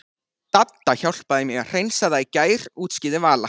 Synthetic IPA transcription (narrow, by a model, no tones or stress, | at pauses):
t̪at̪ːaçawl̥paðɪmɪɣar̥ejnsaðajcaːjɾ̥uːt̪scɪːðɪvaːla